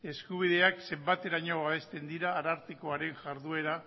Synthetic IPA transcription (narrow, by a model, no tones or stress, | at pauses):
e̞skuβ̞iðe̞akse̞mbat̪e̞ɾaɲo̞βaβe̞st̪e̞nd̪iɾaːɾaɾt̪ikoaɾe̞ŋʝaɾðue̞ɾa